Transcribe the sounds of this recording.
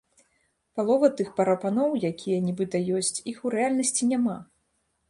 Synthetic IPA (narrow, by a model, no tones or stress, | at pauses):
palˠɔvɐt̪ɨxpɐɾɐpanɔwjakʲʰijɐnʲibɨt̪ɐjɔsʲt͡sʲixuɾɛalʲnɐsʲt͡sʲinʲama